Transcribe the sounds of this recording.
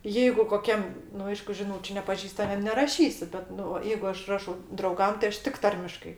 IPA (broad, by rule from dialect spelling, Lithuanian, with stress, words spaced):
ˈjɛɪɡʊ koːˈkʲɛm nʊ ˈɐɪʃkʊ ʒʲɪˈnuːt͡ʃʲʊ nʲɛpɐˈʒʲiːstɐmʲiɛm nʲɛrɐˈʃʲiːsʲɪ ˈbʲɛt ˈnʊ ʋɐ ˈjɛɪɡʊ ˈɐʃ ˈrɑːʃɐʊ drɐʊˈɡɐm tʲɪ ˈɐʃ ˈtʲɪk ˈtɐrʲmʲɪʃkɐɪ